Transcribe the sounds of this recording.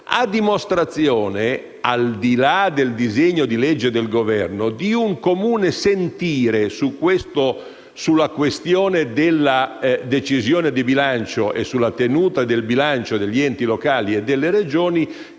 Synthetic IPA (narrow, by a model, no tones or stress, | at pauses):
a̰d̪ːimost̪ɾat̪sjoːne | ald̪ilad̪eld̪izeɲːod̪ilɛd͡ʒːed̪elɡovɛrnod̪iuŋkomuːnesent̪iːɾesukːwest̪o | sulːakwest̪joːned̪elːad̪et͡ʃizjoːned̪ibilant͡ʃoʔḛsːulːat̪enuːt̪ad̪elbilant͡ʃod̪eʎːiɛnt̪ilokaːlied̪ːelːeɾed͡ʒoːni